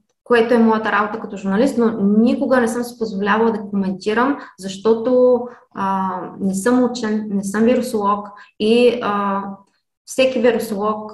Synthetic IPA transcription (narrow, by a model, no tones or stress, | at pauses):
koɛt̪oɛmɔjət̪əɾabot̪əkɐt̪ɔʒuɾnɐlist̪nonʲikoɡənɛsɤmsi̥pozvolʲavɐlˠd̪ɐkomɛnt̪iɾəmzɐʃt̪ɔt̪o | nɛsɤmut͡ʃɛnːɛsɤmviɾosolˠɔkiə | fsɛkiviɾosolˠɔk̚